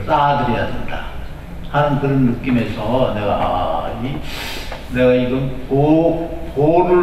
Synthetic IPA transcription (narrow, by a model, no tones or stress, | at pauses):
s͈adɯɾejadenda | hanɯnkɯɾʌnːɯk͈ime̞sʰʌneɡaʔi | ne̞ɡaiɡɯmpopoɾu